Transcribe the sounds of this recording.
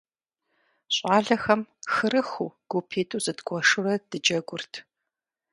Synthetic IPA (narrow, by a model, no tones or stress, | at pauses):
ɕʼaːɮɐxɐmxɨɾɨxṵːɡ̥opʰeːtʰʼuzɨdɡʷɔʂɨrɐd̥ɨd͡ʒɐɡʷʊrtʰ